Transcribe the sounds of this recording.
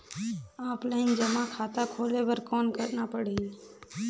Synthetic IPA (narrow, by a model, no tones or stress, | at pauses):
aːplənd͡ʒəmakʰaːt̪akʰoːlebəɾkɔːnkəɾnaːpəɽiːn